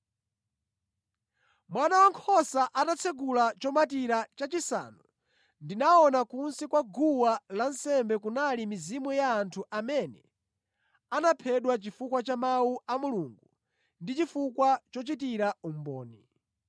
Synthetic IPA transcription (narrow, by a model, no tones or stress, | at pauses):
mwanawaŋkʰɔsaʔanat͡sʰɛɡulat͡ʃɔmatiɾat͡ʃat͡ʃisa̰ːnu | ndinaɔnakunsɛkwaɡuwalan̩sɛmbɛkunalimizimujaːntʰuʔamɛnɛ | anapʰɛɗwat͡ʃifukwat͡ʃamawuʔamuluːŋɡu | ndit͡ʃifukwat͡ʃɔt͡ʃitiɾaum̩bɔ̰ːni